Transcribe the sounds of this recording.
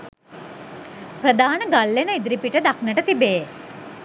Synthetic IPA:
pɾɐd̪aːnəɡɐlːenəid̪ɾipiʈəd̪aknəʈət̪ibej

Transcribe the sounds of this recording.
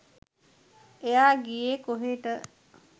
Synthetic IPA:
ejaːɡijekoɦeːʈə

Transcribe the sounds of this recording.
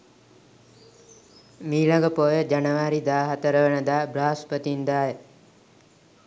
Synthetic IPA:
miːɭaɡəpoːjəd͡ʒanəʋaːɾid̪aːɦat̪əɾəʋənəd̪aːbɾaːspət̪ind̪aːjə

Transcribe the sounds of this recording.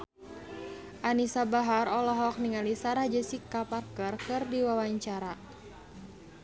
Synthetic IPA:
ʔanisabaɦaɾɔlɔɦɔk̚niŋalisaɾahd͡ʒəsikaparkərkɨrdiwawaɲt͡ʃaɾa

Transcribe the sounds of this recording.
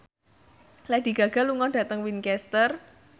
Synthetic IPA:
lɛd̥i̤ɡ̥ä̤ɡ̥a̤luŋɔɖ̥ä̤t̪əŋwinkɛst̪ər

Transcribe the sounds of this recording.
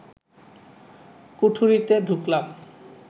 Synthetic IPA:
kuʈʰuɾit̪eɖʱuklam

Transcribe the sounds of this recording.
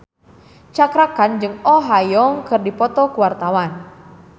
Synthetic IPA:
t͡ʃakɾakand͡ʒɨŋɔɦajɔŋkɨrdipɔt̪ɔkuwart̪awan

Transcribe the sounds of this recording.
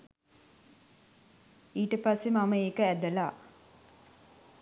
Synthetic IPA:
iːʈəpasːemaməeːkəæd̪əla

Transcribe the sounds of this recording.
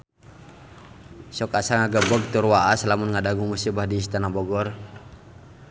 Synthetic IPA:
sɔkasaŋaɡabɔɡ̚t̪urwaʔaslamunŋadaɡuŋmusibahdiːst̪anabɔɡɔr

